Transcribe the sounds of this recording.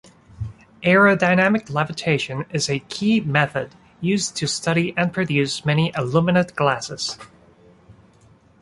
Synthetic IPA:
ʔɛɹodaɪnæmɨklævɨtʰeɪʃɨ̃nɪzɨkʰimɛθɨd | jʉztʰɨstʌɾiʔɨ̃npʰɹ̥ɨdʉsmɛñiʔəlumɨnɨt̚ɡ̥læsɨz̥

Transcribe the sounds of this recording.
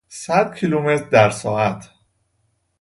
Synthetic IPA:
sæd̪̚cʰilume̞t̪ʰɾd̪æɾsɒːæt̪ʰ

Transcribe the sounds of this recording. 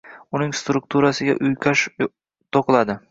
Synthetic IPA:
ʊnɪŋst̪ɾʊk̚t̪ʰuɾasɪɡʲa̰ʔʊjkʰʲaʃ | t̪ʰoqlˠad̪ɪ

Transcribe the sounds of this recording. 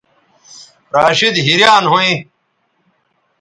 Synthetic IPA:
ɾaːɕid̪ɦiɾjaːnɦoĩː

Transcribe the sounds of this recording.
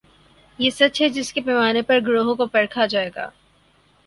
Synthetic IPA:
jeːsɐt̪ʃʰɛd͡ʒɪskepɛːmaːnepɐɾɡɾoːɦõkopɐɽkʰad͡ʒaːeːɡa̰ː

